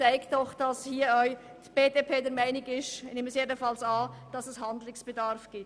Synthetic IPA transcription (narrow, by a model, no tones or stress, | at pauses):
t͡saɪktdɔχd̥ɑshiːɐœʏ | d̥b̥eːdepʰeːdɛɾmaɪnɪɡɪʃneːməsjeːdən̩fɑlsɑːd̥ɑsɛshɑndlɪŋsb̥edɑɾfɡ̥iː